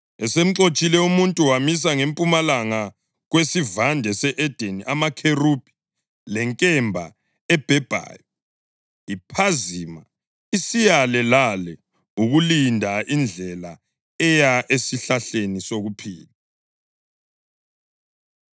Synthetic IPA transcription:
ɛsem̩ǁot͡ʃʼilɛumuntʼuwamis̬aŋempʼumalaŋa | ɣwesivandʱɛsɛʔɛd̥ʱeniʔamakʰerub̥ʱʼi̥ | lɛŋkʼɛmbʱa̰ | ɛb̥ʱɛb̥ʱa̰ːjɔ | ipʰaziːma̰ | isijalɛlalɛ | uɣulindʱaind͡ɮʱɛla | ɛjaʔesiɬaɬenisoɣupʰḭːla

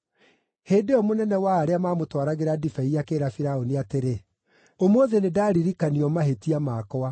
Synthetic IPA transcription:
heːdeɔmonɛnɛwaːɾeamaːmotwaɾaɣeɾadifɛiakeːɾafiɾaoniateɾe | omoðenedaːɾiɾikaniɔmaɦetiamaːkɔa

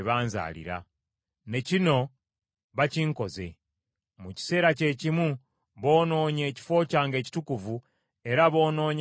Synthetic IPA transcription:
βaːnza̰ːlḭɾa̰ | ne̞cino̞ | βaciːŋko̞ze̞̰ | muci̥se̞ːɾace̞cimu | βo̞ːno̞ːɲe̞ːci̥fo̞ːcaːŋɡe̞ːci̥tukuvu | e̞ɾaβo̞ːno̞ːɲ

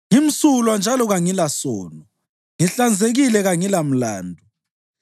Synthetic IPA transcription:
ŋim̩sulwand͡ʒʱalɔɣaŋilasɔːnɔ | ŋiɬand͡zʱeɣilɛɣaŋilam̩laːndʱu

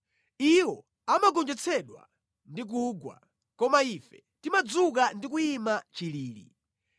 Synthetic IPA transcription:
iwɔ | amaɡɔnd͡ʒɛt͡sʰɛɗwa̰ | ndik̬uːɡwa̰ | kɔmaifɛ | timad͡zukandik̬uimat͡ʃiliːlḭ

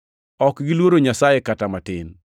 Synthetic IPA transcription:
ɔkɡilwoɾoɲasajekatamatɪn

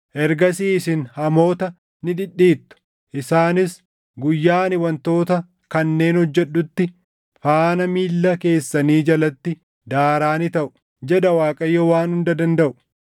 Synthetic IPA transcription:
ʔɛɾɡɐsiːsɪnhɐmo̞ːt̪ɐ | nɪᶑ̪ɪɗːiːt̪ːʊ̥ | ʔɪsaːnɪs | ɡʊjːaːnɪwɐnt̪o̞ːt̪ɐ | kɐnːe̞ːnhɔd͡ʒːɛɗːʊt̪ːɪ | faːnɐmiːlːɐke̞ːsːɐniːd͡ʒɐlɐt̪ːɪ | d̪aːɾaːnɪt̪ɐʔʊ̥ | d͡ʒɛᶑɐwaːkʼɐjːowaːnhʊnd̪ɐd̪ɐnd̪ɐʔʊ̥

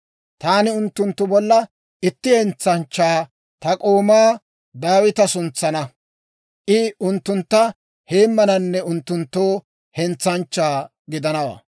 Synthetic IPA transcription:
t̪aːnɪʊnt̪ːʊnt̪ːʊbɔlːɐ | ʔɪt̪ːɪhɛnt͡sːɐnt͡ʃːaː | t̪ɐkʼoːmaː | d̪aːwɪt̪ɐsʊnt͡sːɐnɐ | ʔɪʊnt̪ːʊnt̪ːɐ | heːmːɐnɐnːɛʊnt̪ːʊnt̪ːoː | hɛnt͡sːɐnt͡ʃːaː | ɡɪd̪ɐnɐwa̰ː

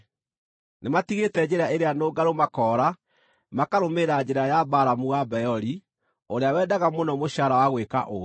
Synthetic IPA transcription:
nematiɣetɛd͡ʑeɾaʔeɾeanoːɡaɾomakɔːɾa | makaɾomeɾad͡ʑeɾajabaɾamuɣabɛjɔɾi | oɾeawɛdaɣamonɔmoɕaɾawaɣweka̰ʔo

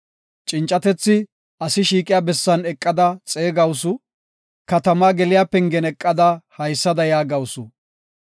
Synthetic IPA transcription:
t͡ʃʼɪnt͡ʃʼːɐt̪ɛt͡sːɪ | ʔɐsɪʃiːkʼɪjaːbɛsːɐnɛkʼːɐd̪ɐt͡sʼeːɡɐwʊsʊ | kɐt̪ɐmaːɡɛlɪjaːpɛŋɡɛnɛkʼːɐd̪ɐhɐjsːɐd̪ɐjaːɡɐwsʊ

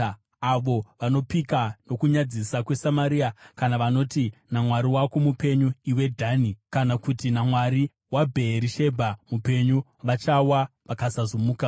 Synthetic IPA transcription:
aʋo̞ʋano̞pikano̞kuɲad͡zisakwe̞samaɾiːakanaʋano̞tinamwaɾiwakomupe̞ɲuiwe̞dʱaːnikanakutinamwaɾi | wabʱe̞ːɾiʃe̞bʱamupe̞ɲuʋat͡ʃawaʋakasazomuːka

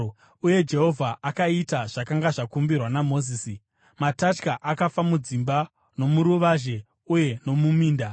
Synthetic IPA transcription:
uje̞d͡ʒe̞ɦo̞vʱaʔakaitaʐ̥akaŋɡaʐakumbirwanamo̞ziːsi | matat͡ʃkaʔakafamud͡zimba | no̞muɾuʋaʒe̞ | uje̞no̞mumiːnda

